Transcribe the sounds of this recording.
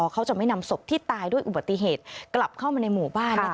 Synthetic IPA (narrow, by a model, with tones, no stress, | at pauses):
ɔː˧kʰa˦˥wt͡ɕa˨˩ma˥˩jna˧mso˨˩p̚t̪ʰiː˥˩t̪aː˧jdu˥˩əjʔu˨˩ba˨˩t̪ːi˧˥ɦeː˨˩t̪̚kla˨˩p̚kʰa˥˩wmaː˧na˧jmuː˨˩baː˥˩n˦˥